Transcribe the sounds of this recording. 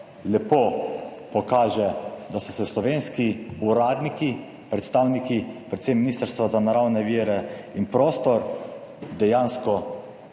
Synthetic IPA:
lɛpopɔkaːʒɛd̪asɔsɛslɔʋenskiuɾaːd̪niki | pɾɛt̪st̪aːwnikipɾɛt̪semːinist̪əɾst̪ʋazanaɾawnɛʋiːɾɛinpɾoːst̪ɔɾ | d̪ɛjaːnskɔ

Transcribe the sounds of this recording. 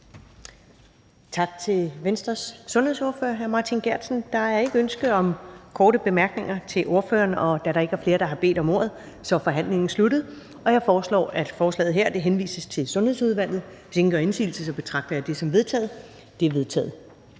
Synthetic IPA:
t͡sʰɑ̈ɡ̥̚t͡sʰe̝lʋensd̥ʁɐsːɔ̽nhe̝so̝ɐfø̰ːɐɦæɐmɑ̈ːt͡sʰinɡ̥æɐ̰d̥sn̩d̥ɑ̈æe̝ɡ̥əønsɡ̥ð̩ˠɒ̽mkʰɒːɾəb̥e̝mæɐɡ̥ne̝ŋɐt͡sʰe̝lʔo̝ɐfø̰ːɐːnɒ̽d̥æɾ̥ɑ̈e̝ɡ̥æɐfle̝ːɐd̥ɑ̈ɦɑ̈b̥e̝̰ːd̥ɒ̽mo̝̰ɐ̰ð̞̩ˠ | sɒ̽fɒ̽ɦæn̰le̝ŋn̩slud̥ð̩ˠ | ɒ̽jɑ̈ɪfɒːslɒ̰ːæd̥fɒːslɛ̰ːð̞̩ˠɦeɐ̰d̥e̝ɦenʋḭːsəst͡sʰe̝lsɔ̽nhe̝ðˠsuð̞ˠʋæl̰ð̩ˠ | seŋɡ̥ɒe̝nsḭːl̩səsɒ̽b̥e̝t͡sʰʁɑ̈ɡ̥̚d̥ɐjɑ̈d̥e̝sɒ̽mʋe̝ð̞ˠt͡sʰɛ̰ːð̩ˠ | d̥e̝æɐʋe̝ð̞ˠt͡sʰɛ̰ːð̞̩ˠ

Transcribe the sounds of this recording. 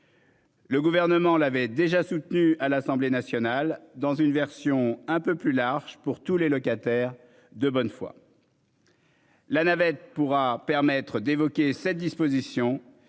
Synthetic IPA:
ləɡuvɛʁnəmɑ̃lavɛd̪eʒasut̪nyalasɑ̃blenasjɔnald̪ɑ̃zynvɛʁsjɔ̃ɛ̃pøplylaʁʒpuʁt̪ulelɔkat̪ɛʁ | d̪əbɔnfwa̰ | lanavɛt̪̚puʁapɛʁmɛt̪χəd̪evɔkʲesɛt̪̚d̪ispozisjɔ̃

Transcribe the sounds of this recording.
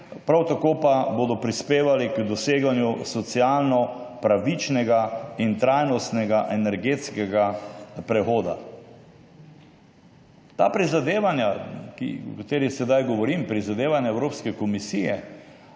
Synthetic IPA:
pɾawt̪akoːpaboːd̪ɔpɾispeːʋalikd̪ɔseːɡanjusɔt̪sialnɔpɾaʋit͡ʃnɛɡaint̪ɾajnɔst̪nɛɡaʔɛnɛɾɡeːt̪skɛɡapɾɛxoːd̪a̰ | t̪a̰ːpɾizad̪eːʋanjakḭukat̪eːɾixsɛd̪ajɡɔʋɔɾimpɾizad̪eːʋanjaɛwɾoːpskɛkɔmisijɛ

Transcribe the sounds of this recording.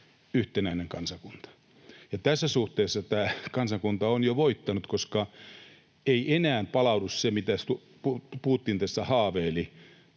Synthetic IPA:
yht̪enæineŋkɑnsɑkunt̪ɑ̥ | jɑt̪æsːæsuht̪eːsːɑt̪æːkɑnsɑŋkunt̪ɑonjoʋoit̪ːɑnut̪koskɑ | eiʔenæːmpɑlɑudussemit̪æst̪u | pupuhut̪ːiːnt̪æsːæhɑːʋeːli

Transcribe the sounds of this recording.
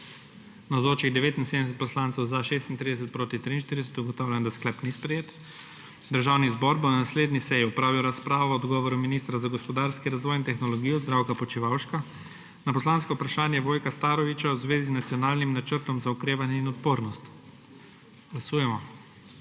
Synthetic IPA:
nawzoːt͡ʃiɣd̪ɛʋeːt̪insed̪mɛs̬ɛt̪pɔslant̪sɔwzaʃest̪int̪ɾid̪ɛs̬ɛt̪̚pɾoːt̪it̪ɾiːnʃt̪iɾid̪ɛsɛ̥t̪uɡɔt̪awlʲɛnd̪asklɛpnispɾɛjeːt̪ | d̪əɾʒawnizbɔɾbɔnasleːd̪nisɛjiɔpɾaːwliawɾaspɾaːʋɔɔd̪ɡɔʋɔɾuminist̪ɾazaɡɔspɔd̪aɾskiɾazʋɔːjint̪ɛxnɔlɔɡijɔzd̪ɾawkapɔt͡ʃiʋawʃka | napɔslanskɔupɾaʃaːnjɛʋoːjkast̪aːɾɔʋit͡ʃawzʋeːziznat̪sijɔnaːlnimnat͡ʃəɾt̪ɔmzaukɾeːʋanjɛinɔt̪poːɾnɔst̪ | ɡ̥lasuːjɛmɔ

